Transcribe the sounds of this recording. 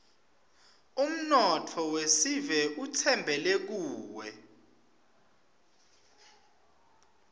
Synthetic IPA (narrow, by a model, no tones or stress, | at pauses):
um̩nɔtʰɔwesivɛʔutʰɛmbʱɛlek̬uːwɛ